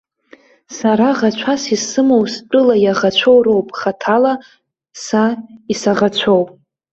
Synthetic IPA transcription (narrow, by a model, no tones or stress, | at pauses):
saɾaʁat͡ʃʷʰasisɨmowst͡pʷʼʊlajaʁat͡ɕʷʰowro̞wpʼχatʰala | saisaʁat͡ɕʷʰowpʼ